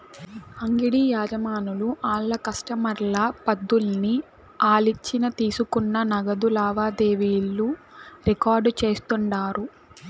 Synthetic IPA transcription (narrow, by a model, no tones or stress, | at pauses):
ɐŋɡiɽiːjaːd͡ʒɐmaːnuluʔaːɭːɐkɐsʈɐmɐɾlɐpɐd̪ːulni | aːlit͡ʃːinɐt̪iːsukunːɐnɐɡɐd̪ulaːʋaːd̪eːʋiːlːuɾikaːɾɖt͡ʃe̞ːst̪uɳɖaːɾu